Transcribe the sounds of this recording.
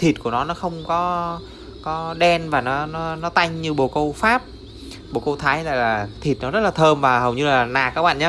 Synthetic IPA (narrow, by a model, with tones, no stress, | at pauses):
t̪ʰi˨˩t̚ku˧˩ənɔ˨˦nɔ˨˦xə˧wŋ͡mkɔ˨˦ | kɔ˨˦ɗɛ˧nvaː˨˩nɔ˨˦nɔ˨˦nɔ˨˦t̪a˧jŋ̟ɲɨ˧ɓo˨˩kə˧wfaː˦˥p̚ | ɓo˨˩kə˧wt̪ʰaː˨˦jla̰ː˧˨jlaː˨˩t̪ʰi˨˩t̚nɔ˨˦zə˦˥t̚laː˨t̪ʰəː˧mvaː˨˩hə˨˩wɲɨ˧laː˨˩naː˨˩kaː˦˥k̚ɓa̰ː˧˨ɲaː˧˦